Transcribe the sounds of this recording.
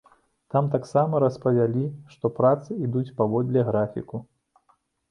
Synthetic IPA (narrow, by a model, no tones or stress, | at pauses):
t̪amt̪aksamɐɾɐspɐvʲalʲiʂt̪ɔpɾat̪sɨid̪ut͡sʲpavɔd̪lʲɛɣɾafʲḭku